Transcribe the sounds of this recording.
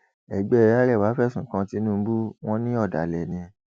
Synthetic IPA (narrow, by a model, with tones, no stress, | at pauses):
ɛ˨ɡ͡bɛ˦˨˦a˦ɾɛ˦˨wa˨˦fɛ˦˨sũ˨kã˧ti˧˦nũ˦bu˦w̃ɔ̃˦nĩ˦ɔ˦˨da̰˨lɛ˨nĩ˧˦